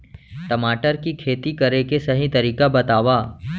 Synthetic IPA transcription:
t̪ɐmaːʈəɾkikʰeːt̪ikɐɾekesɐɦĩt̪ɐɾiːkabɐt̪aːʋaː

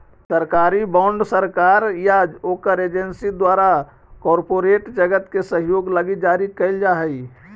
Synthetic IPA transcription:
səɾkaːɾibãːɳɖsəɾkaːɾjaoːkəɾeːd͡ʒensid̪waːɾa | kɔːɾpoːɾeːʈd͡ʒəɡət̪kesəɦjoːɡləɡid͡ʒaːɾikəɪld͡ʒaɦɛi

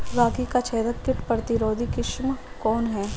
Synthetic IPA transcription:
ɡaːkikat͡ʃʰɛːd̪əkːɪʈpɾɐt̪ɪɾoːd̪ʱikɪʃm | kɔːnɦɛː

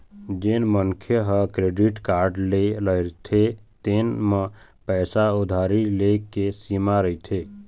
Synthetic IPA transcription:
d͡ʒenməŋkʰjəɦəkɾeːɖiʈkaːɾɖleləɾt̪ʰet̪eːnmə̃ | pɛːsaʊd̪ʱaːɾilekesimaɾəit̪ʰeː

